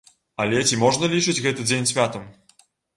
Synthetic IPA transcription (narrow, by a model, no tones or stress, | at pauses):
ɐlʲɛt͡sʲimɔʐnɐlʲit͡ʂɨd͡zʲɣɛt̪ɨd͡zʲenʲsʲvʲat̪ɐm